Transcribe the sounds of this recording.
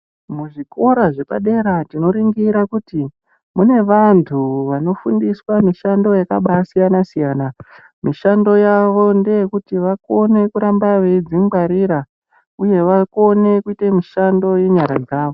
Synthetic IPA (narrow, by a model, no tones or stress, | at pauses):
muʐiko̞ɾaʐe̞pa̰ɗe̞ɾatino̞ɾiŋɡiɾakuti | mune̞ʋantʰuʋano̞fundiswamiʃandojaka̰ɓasijanasijaːna | miʃando̞jaʋo̞nde̞jekutiʋako̞ne̞kuɾambaʋe̞id͡ziŋɡwaɾiɾa | uje̞ʋako̞ne̞kuitemiʃando̞jeɲaɾa̰d͡zaːʋo